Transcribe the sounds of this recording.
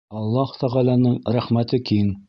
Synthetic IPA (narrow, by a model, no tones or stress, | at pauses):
ɑlˠːɑh̆t̪æʁælænɤɴɾæχmæt̪ɘkiŋ